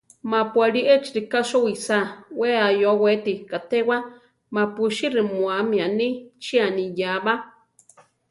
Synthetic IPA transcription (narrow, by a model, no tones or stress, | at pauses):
mapwaɾiʔɛt͡ʃi̥ɾikaʃowisaweajowet̪ikat̪ewa | mapuʃiɾimwamĩanit͡ʃianijaβa